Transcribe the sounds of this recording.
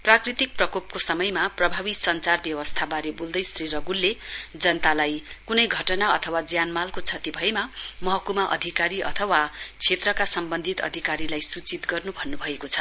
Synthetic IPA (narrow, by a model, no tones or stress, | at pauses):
prakrit̪ik̚prʌkop̚kosʌmʌjmaprʌbʱabisʌnt͡sarbjʌwʌst̪ʰabaɾebold̪ʌjsriɾʌɡulːed͡zʌnʌt̪alajkunʌjɡʱʌʈʌnaʌt̪ʰʌwad͡zjanmalkot͡sʰʌt̪ibʱʌemamʌɦʌkumaʔʌ̰d̪ʱikaɾiʔʌ̰t̪ʰʌwat͡sʰet̪rʌkasʌmbʌnd̪ʱit̪ʌ̰d̪ʱikaɾilajsut͡sit̪ɡʌrnubʱʌnːubʱʌekot͡sʰʌ̥